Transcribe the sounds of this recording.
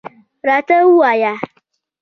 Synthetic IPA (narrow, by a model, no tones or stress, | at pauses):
ɾatawuwaja